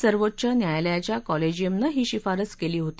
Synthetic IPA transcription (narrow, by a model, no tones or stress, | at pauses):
səɾʋot̪̚ːt͡ɕanjajljat͡ɕjakɔled͡ʑiemnaɦiːɕifaɾət͡skeliːɦot̪i̥